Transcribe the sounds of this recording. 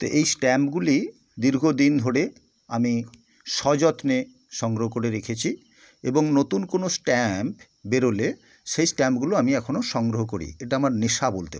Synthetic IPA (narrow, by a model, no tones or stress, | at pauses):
t̪o̰ʔejsʈɛmpɡuli | d̪iɾɡʱod̪ind̪ʱoɽe | ami | ʃɔd͡ʑɔt̪ne | ʃɔŋɡɾoɦokoɾeɾekʰet͡ɕʰi | eboŋnot̪unkonosʈɛmp | beɾole | ʃejsʈɛmpɡuloamiɛkʰonoʃɔŋɡɾoɦokoɾḭeʈaamaɾneʃabolt̪e